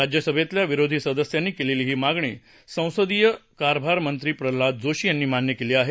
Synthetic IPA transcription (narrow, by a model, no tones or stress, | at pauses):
ɾad͡ʑjəsəbʱet̪ljaʋiɾod̪ʱiːsəd̪əsjanːiːkeleliːɦiːmaɡɳiː | sə̃w̃səd̪ijəkaɾbʱaɾmənt̪ɾiːpɾəlad̪̚d͡zoɕiːjanːiːmanjəkeliːaɦe